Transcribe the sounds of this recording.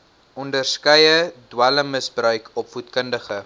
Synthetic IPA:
ʔɔndərskəjədwæləmːəsbrœɥkʰɔpfutkəndəχə

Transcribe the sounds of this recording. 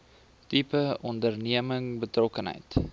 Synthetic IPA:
tipəɔndərniəməŋbətrɔkənɦə̰jt

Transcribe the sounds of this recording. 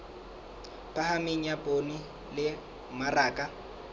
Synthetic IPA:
pʼahamɪŋ̩japʼoni | lɪ | maraːkʼa

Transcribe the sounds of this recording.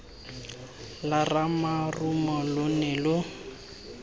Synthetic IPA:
laramarumɔlʊnɛlʊ

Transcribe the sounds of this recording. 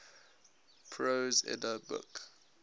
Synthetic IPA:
pʰɹozɛ̰dəbʊ̰k

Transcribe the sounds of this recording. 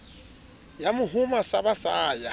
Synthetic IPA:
jamʊɦʊmasabasaːja

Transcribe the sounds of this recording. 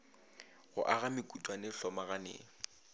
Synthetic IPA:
ɣʊ̰ʔaɣamɪkʼutʼwanɪɬɔmaɣanḛːŋ̩

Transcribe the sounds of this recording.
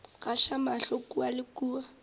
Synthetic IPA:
ɣaʃamaɬɔkuwalɪkuːwa

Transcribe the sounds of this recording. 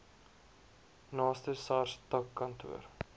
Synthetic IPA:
nɑːstəsɑrstɐkːɐntʰṵər

